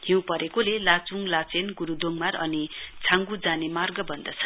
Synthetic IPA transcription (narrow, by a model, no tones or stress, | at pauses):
ɦĩw̃pʌɾekolelat͡suŋlat͡senɡuɾud̪oŋmarʌnit͡sʰãŋɡud͡zanemarɡʌbʌnd̪ʌt͡sʰʌ̥